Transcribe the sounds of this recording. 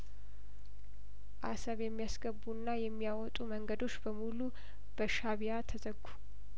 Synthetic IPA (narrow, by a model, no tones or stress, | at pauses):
ʔasəβjɛmːijasɡəbunːajɛmːijawɔt̪ʼuməŋɡəd̪o̞t͡ʃːbəmulu | b̥əʃaβijat̪ʰəzəɡu